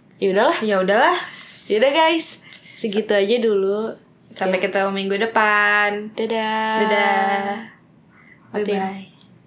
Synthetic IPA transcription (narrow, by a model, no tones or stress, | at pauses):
jaudahlahjaudahlahjaudaɡajsːəɡit̪uad͡ʒadulu | sapakət̪aumiŋɡudəpandadadada | aia